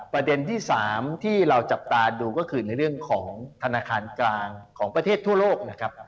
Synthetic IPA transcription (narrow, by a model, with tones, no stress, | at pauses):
pɾa˧de˧nt̪ʰiː˥˩saː˩˦mt̪ʰiː˥˩ɾa˧wt͡ɕa˨˩p̚t̪aː˧duː˧kɔː˥˩kʰɯː˧na˧jɾɯ˥˩əŋkʰɔː˩˦ŋt̪ʰa˧naː˧kʰaː˧nklaː˧ŋkʰɔː˩˦ŋpɾa˧t̪ʰeː˥˩t̪ʰːu˥˩ɐloː˥˩k̚na˦˥kʰɾa˦˥p̚